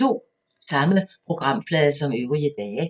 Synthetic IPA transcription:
t͡sʰo̝̰ː | sɑ̈məpʰʁo̝ɡ̥ʁɑ̈m̰flɛːðˠɐsɒ̽møʊʁiəd̥ɛː

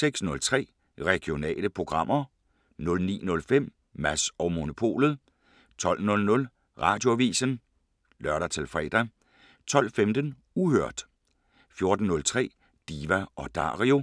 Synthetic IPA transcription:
seɡ̥snɔ̽lt͡sʰʁɛ̰ː | ʁɛɡ̥io̝nɛ̰ːləpʰʁo̝ɡ̥ʁɑ̈m̰ɐ | nɔ̽lnḭːnɔ̽lfem̰ː | æsɒʊmo̝no̝pʰo̝̰ːlð̩ˠ | t͡sʰɒ̽l̰nɔ̽lnɔ̽l | ʁɑ̈ːd̥jo̝æʋḭːsən | lɶɐɾɐt͡sʰe̝lfʁɛ̰ːd̥æ | t͡sʰɒ̽l̰femd̥ən | uhøɐ̰d̥ | fjo̝ɐd̥n̩ːɔ̽lt͡sʰʁɛ̰ː | d̥iːʋæɒ̽d̥ɑ̰̈ːʁio̝

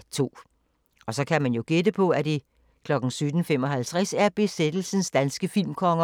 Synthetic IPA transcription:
t͡sʰo̝̰ː | ɒ̽sɒ̽kʰæmænjo̝ɡ̥ed̥əpʰɒ̽æd̥i | kʰlɒ̽ɡ̥n̩syd̥n̩fem̰ɒ̽ɦhælt͡sʰʁasæɐb̥e̝sed̥l̩sn̩sd̥ænsɡ̥əfil̰mkʰɒ̽ŋɐ

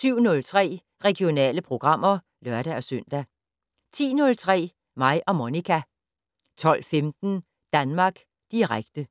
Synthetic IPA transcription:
syʊ̰nɔ̽lt͡sʰʁɛ̰ː | ʁɛɡ̥io̝nɛ̰ːləpʰʁo̝ɡ̥ʁɑ̈m̰ɐ | lɶɐɾ̥æɒ̽søn̰d̥æ | t͡sʰḭːnɔ̽lt͡sʰʁɛ̰ː | mɑ̈ɪʔɒ̽mo̝nikʰæ | t͡sʰɒ̽l̰femd̥n̩ | d̥ænmɑ̈ːɡ̥ | d̥iʁaɡ̥d̥ə

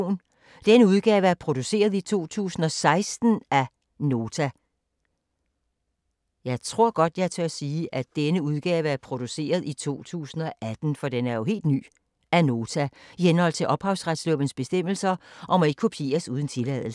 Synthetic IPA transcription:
n | d̥enəuð̞ˠɡ̥ɛːʊəæɐpʰʁo̝d̥use̝̰ːɐð̞ˠit͡sʰo̝̰ːt͡sʰṵːsn̩ɒ̽sɑ̈ɪsd̥n̩ʔæ | no̝ːt͡sʰæ | jɑ̈ɪt͡sʰʁo̝ɐ̰ɡ̥ɒ̽d̥jɑ̈ɪt͡sʰøɐsiːʔæd̥enəuð̞ˠɡ̥ɛːʊəæɐpʰʁo̝d̥use̝̰ːɐð̞ˠit͡sʰo̝̰ːt͡sʰṵːsn̩ɒ̽ʔæd̥n̩fɒ̽d̥enæɐjo̝ɦe̝̰ːld̥ny̰ː | æno̝ːt͡sʰæihenhɒ̽l̰t͡sʰe̝ʔɒ̽b̥hɑ̈ʊsʁad̥slɔb̥ənsb̥e̝sd̥em̰l̩sɐʔɒ̽mɒe̝ɡ̥əkʰopʰie̝̰ːɐsuːð̞ˠn̩t͡sʰe̝lɛðˠl̩

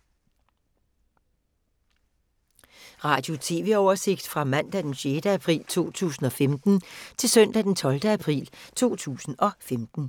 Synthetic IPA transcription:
ʁɑ̈ːd̥jo̝t͡sʰe̝ːʋe̝ɒʊɐse̝ɡ̥d̥fʁɑ̈mæn̰d̥æd̥enɕeːd̥əæpʰʁḭːlt͡sʰo̝̰ːt͡sʰṵːsn̩ɒ̽femd̥n̩t͡sʰe̝lsœn̰d̥æd̥ent͡sʰɒ̽ld̥əæpʰʁḭːlt͡sʰo̝̰ːt͡sʰṵːsn̩ɒ̽femd̥n̩

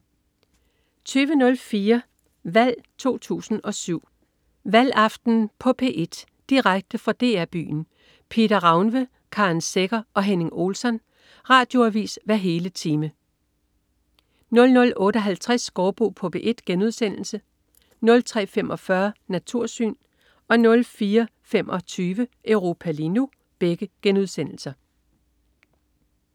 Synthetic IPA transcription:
t͡sʰyːʋənɔ̽lfiːɐ | ʋæl̰t͡sʰo̝̰ːt͡sʰṵːsn̩ɒ̽syʊ̰ | ʋæl̰ɑ̈fd̥n̩pʰɒ̽pʰe̝̰ʔe̝d̥ | d̥iʁaɡ̥̚d̥əfɒ̽d̥e̝̰ːæɐb̥y̰ːn̩ | pʰe̝d̥ɐʁɑ̈ʊnʋə | kʰɑ̈nseɡ̥ɐɒ̽ɦene̝ŋo̝ːlsɒ̽n | ʁɑ̈ːd̥joæʋḭːsʋæɐɦe̝ːlət͡sʰiːmə | nɔ̽lnɔ̽lɔ̽ːɾ̥əɒ̽ɦælt͡sʰʁasɡ̥ɒːb̥o̝̰ːpʰɔ̽b̥eʔe̝d̥ɡ̥enuð̞ˠsen̰l̩sə | nɔ̽lt͡sʰʁɛ̰ːfem̰ʔɒ̽fɶɐnæt͡sʰuɐ̰sy̰ːn | ɒ̽nɔ̽lfiːɐfemʔɒ̽t͡sʰyːʋəʔøʊʁo̝ːpʰælinu | b̥eɡ̥əɡ̥enuð̞ˠsen̰l̩sɐ

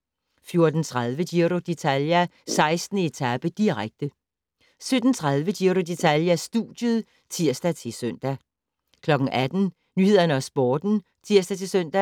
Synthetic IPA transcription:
fjo̝ɐd̥n̩t͡sʰʁað̞ˠʋədiɐɾo̝d̥e̝t͡sʰæljæ | sɑ̈ɪsd̥n̩əe̝t͡sʰæb̥əd̥iʁaɡ̥̚d̥ə | sød̥n̩t͡sʰʁað̞ˠʋəd̥iɐɾo̝d̥e̝t͡sʰæljæsd̥ṵd̥jəðˠ | t͡sʰiɐ̰sd̥æt͡sʰe̝søn̰d̥æ | kʰlɒ̽ɡ̥ŋ̩ʔæd̥n̩ | nyːhe̝ð̰ˠɐnəɒsb̥ɒːd̥n̩ | t͡sʰiɐsd̥æt͡sʰe̝søn̰d̥æ

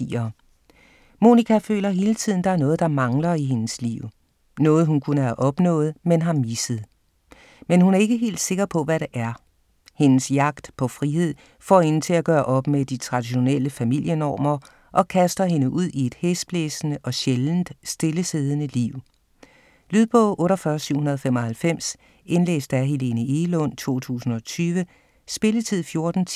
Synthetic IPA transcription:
iɐ | mo̝nikʰæfø̰ːlɐɦe̝ːlət͡sʰið̞̰ˠn̩d̥ɑ̈æɐnɔ̽ːð̞̩ˠd̥ɑ̈mɑ̈ŋlɐiɦe̝nəslḭʊ̰ | nɔ̽ːð̞̩ˠɦunkʰunəæʔɒ̽b̥nɔ̰̽ːð̞̩ˠmenɦɑ̈misəð̩ˠ | menhunæɐe̝ɡ̥əɦe̝̰ːld̥se̝ɡ̥ɐpʰɒ̽ʋæɾeʔæɐ | he̝nəsjɑ̈ɡ̥̚d̥pʰɒ̽fʁihe̝ð̞̰ˠ | fɒ̰e̝nn̩t͡sʰe̝læɡ̥ɶːɐʔɒ̽b̥med̥it͡sʰʁɑ̈d̥iɕo̝neləfæmil̰jənɒ̰ːmɐ | ʔɒ̽kʰæsd̥ɐɦe̝nəʔuð̰ˠie̝d̥hesb̥leːsnəʔɒ̽ɕeln̩d̥sd̥e̝ləse̝ːð̞ˠənəliʊ̰ | lyðˠb̥ɔʊʔɔ̽ːɾɐfɶːɐsyʊ̰hunɐð̞̩ˠfemɒ̽hælfem̰s | e̝nlḛːsd̥æɦe̝le̝nəʔelɔ̽n̰t͡sʰo̝̰ːt͡sʰṵːsn̩ɒ̽t͡sʰyːʋə | sb̥e̝lət͡sʰið̞̰ˠfjo̝ɐd̥n̩ʰ

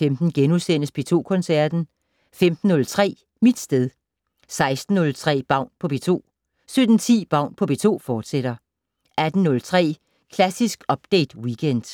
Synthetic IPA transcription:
femd̥n̩ɡ̥enusen̰əsb̥e̝t͡sʰo̝̰ːkʰɔ̽nsæɐ̰d̥n̩ | femd̥n̩ːɔ̽lt͡sʰʁɛ̰ː | mid̥sd̥eð̞ˠ | sɑ̈ɪsd̥n̩ːɔ̽lt͡sʰʁɛ̰ːb̥ɑ̈ʊ̰npʰɒ̽b̥e̝t͡sʰo̝̰ː | sød̥n̩t͡sʰḭːb̥ɑ̈ʊ̰npʰɒ̽b̥e̝t͡sʰo̝̰ːfɒːd̥seɾ̥ɐ | ʔæd̥n̩nɔ̽lt͡sʰʁɛ̰ː | kʰlæsisɡ̥ɒ̽b̥d̥ḛːd̥wikʰend̥

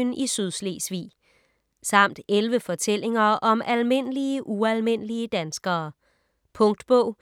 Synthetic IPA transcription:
nisyðˠslḛːsʋḭː | sɑ̈m̰d̥elʋəfɒ̽t͡sʰel̰e̝ŋɐʔɒ̽mælme̝n̰əliəʔuælme̝n̰əliəd̥ænsɡ̥ɐː | pʰɔ̽ŋ̰d̥b̥ɔʊ̰

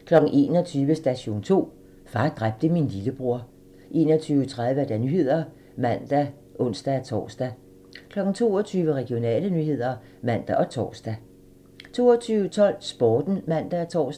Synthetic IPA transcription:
kʰlɒ̽ɡ̥n̩ʔe̝̰ːnɒ̽t͡sʰyːʋəsd̥æɕo̝̰ːnt͡sʰo̝̰ː | fɑ̈ːd̥ʁab̥̚d̥əminliləb̥ʁuɐ̰ | ʔe̝ːnɒ̽t͡sʰyːʊət͡sʰʁað̞ˠʋəd̥ænyːhe̝ð̞̰ˠɐ | mæn̰d̥æ | ʔɔ̽n̰sd̥æt͡sʰɒ̰ːsd̥æ | kʰlɒ̽ɡ̥n̩t͡sʰo̝̰ːɒt͡sʰyːʋəʁɛɡ̥io̝nɛ̰ːlənyhe̝ð̞̰ˠɐ | mæn̰d̥æʔɒ̽t͡sʰɒ̰ːsd̥æ | t͡sʰo̝̰ːɒt͡sʰyːʊət͡sʰɒ̽l̰sb̥ɒːd̥n̩mæn̰d̥æt͡sʰɒ̰ːs

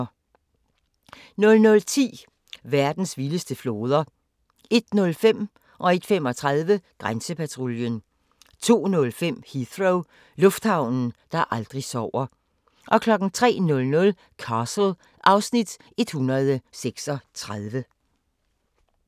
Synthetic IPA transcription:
nɔ̽lnɔ̽lt͡sʰḭː | ʋæɐd̥n̩sʋiləsd̥əflo̝ːð̞ˠɐ | e̝d̥nɔ̽lfem̰ | ʔɒ̽e̝d̥fem̰ɒ̽t͡sʰʁaðˠʋəɡ̥ʁansəpʰæt͡sʰʁoljən | t͡sʰo̝̰ːnɔ̽lfem̰hiðʁoʊ | lɔ̽fd̥hɑ̈ʊ̰nn̩d̥ɑ̈ʔɑ̈ld̥ʁisɒʊ̰ɐ | ʔɒ̽kʰlɒ̽ɡ̥n̩t͡sʰʁɛ̰ːnɔ̽lnɔ̽l | kʰɑsl̩ | ʔɑ̈ʊsnid̥ | e̝d̥hunɐð̞ˠəseɡ̥sɒ̽t͡sʰʁaðˠʋə

